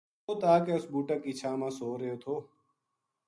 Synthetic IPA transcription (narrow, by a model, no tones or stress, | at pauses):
oːt̪aːkeʊsbuːʈəkiːt͡ʃʰaːmãːsoːɾjoːt̪ʰoː